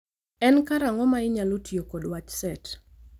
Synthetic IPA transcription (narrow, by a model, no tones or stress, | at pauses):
ɛnkaɾaŋɔmaɪɲalotjokodwat͡ʃsɛt